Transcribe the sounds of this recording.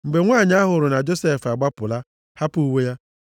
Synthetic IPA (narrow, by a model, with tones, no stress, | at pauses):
m̩˨ɡ͡be˨ŋʷaː˦˨ɲ˦a˦ɦʊ˨ɾʊ˨na˨d͡ʒo˦se˦˨fa˨ɡ͡ba˦pʊ˨la˦ | ha˦pu˦we˦ja˦